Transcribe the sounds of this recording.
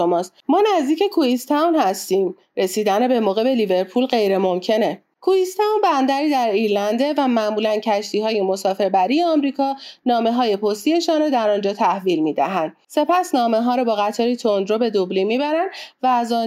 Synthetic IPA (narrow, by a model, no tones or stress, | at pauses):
omɒːst̪mɒːnæzd̪iːce̞kʰuist̪ʰæwnhæst̪iːm | ɾe̞siːd̪ænebe̞moːɣe̞be̞live̞ɾpʰuːlɢe̞jɾe̞mo̞mcʰe̞ne̞ | kʰuist̪ʰænbænd̪æɾiːd̪æɾiɾlænd̪e̞væmæʔmuːlæncʰæʃt̪ʰiːɦɒːje̞mo̞sɒːfe̞ɾbæɾiːje̞ɒːmɾiːkʰɒːnɒːme̞ɦɒːje̞pʰost̪ie̞ʃɒːnɾɔd̪æɾɒːnd͡ʒɒːt̪ʰæhviːlmiːd̪æ̰ɦænd̪̥̚se̞pʰæsnɒːme̞ɦɒːɾɔbɒːɣæt̪ʰɒːɾit̪ʰond̪ɾobe̞d̪oblimibæɾænd̪væːzɒn